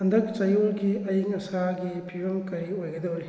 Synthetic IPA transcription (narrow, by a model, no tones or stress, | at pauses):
ɐnd̪ɐk̚t͡ʃɐjoɾɡiɐjiŋɐsaɡipʰijɐmkɐɾiojɡɐd̪ɐwɾi